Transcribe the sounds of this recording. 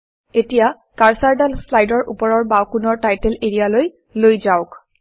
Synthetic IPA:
etija | kaɹsaɹdalslajdɔɹʔupɔɹɔɹbawkunɔɹtajtɛleɹijaloj | lojzaʊk

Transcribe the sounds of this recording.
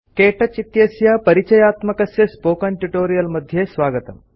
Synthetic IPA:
keʈʰɐt͡ʃit̪jɐsjapɐɾit͡ʃɐjaːt̪mɐkɐsjɐspoːkɐnʈuʈoːɾijɐlmɐd̪ʱːjesʋaːɡət̪ə̰m

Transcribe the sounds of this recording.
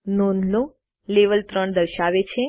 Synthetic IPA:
nonlo | leʋəlt̪ɾəɳd̪əɾʃaʋet͡ʃʰe

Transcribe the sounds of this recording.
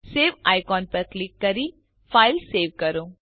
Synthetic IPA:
seːʋaːjkɔːnpɐɾklɪkːɐɾiː | fʰaːɪlseːʋkɐɾõː

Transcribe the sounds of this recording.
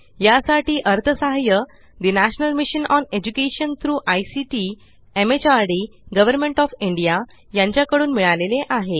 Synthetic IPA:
jasaʈiːʔəɾt̪ʰəsaɦjə | d̪inæɕnəlmiɕənɔned͡ʑukeɕənt̪ʰɾuːʔajsiʈiː | emet͡ɕaɾɽiːɡəʋəɾmeɳʈɔfiɳɖija | jãɲt͡ɕjakəɽuːnmiɭaleleʔaɦe

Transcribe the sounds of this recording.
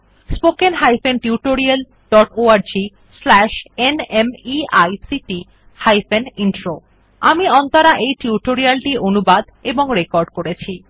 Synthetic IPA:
spokenɦajfenʈiuʈoɾial | ɖɔʈoaɾd͡ʑi | slɛʃenemiajsiʈi | hajfeninʈɾo | amiɔnt̪aɾaʔejʈiuʈoɾialʈiʔonubad̪eboŋɾekɔɾɖkoɾet͡ɕʰi

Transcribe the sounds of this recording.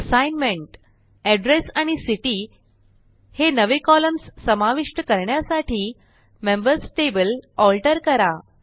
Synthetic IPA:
əsajnmeɳʈ | ɛɖɾesaɽ̃isiʈiː | henəʋekɔləmssəmaʋiʂʈəkəɾɳjasaʈʰiː | membəɾsʈebəlɔlʈəɾkəɾa

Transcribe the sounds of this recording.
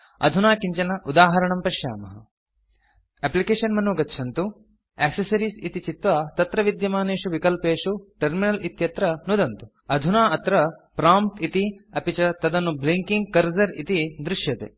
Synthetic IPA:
ɐ̰d̪ʱunaːkiɲt͡ʃɐnɐʔud̪aːɦɐɾɐɳɐmpɐʃja̰ːmɐɦɐ̰ | eplikeːʂɐnmɐnuɡɐtːʃʰɐnt̪u | eːksɐsɐɾiːsit̪it͡ʃit̪ʋɐt̪ɐt̪ɾɐʋid̪jɐmaːneːʂuʋikɐlpeːʂuʈɐɾminɐlit̪jɐt̪ɾɐnud̪ɐnt̪u̥ | ɐd̪ʱunaːɐt̪ɾɐpɾaːmp̚t̪it̪iɐpit͡ʃɐt̪ɐd̪ɐnːubliŋkiŋɡ̚kɐɾzɐɾit̪id̪ɾuʂjɐt̪ḛː

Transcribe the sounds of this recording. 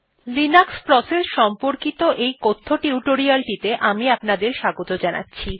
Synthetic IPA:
linakspɾɔsesʃɔmpoɾkit̪oʔejkot̪ʰːoʈiuʈoɾialʈit̪eʔamiapnad̪eɾʃaɡot̪od͡ʑana̰tːɕʰi

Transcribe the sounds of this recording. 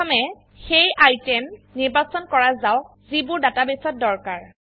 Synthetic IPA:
ɔmɛ | xejajtɛmːiɹbasɔnkɔɹazaw | zibʊɹdatabesɔt̚dɔɹkaɹ

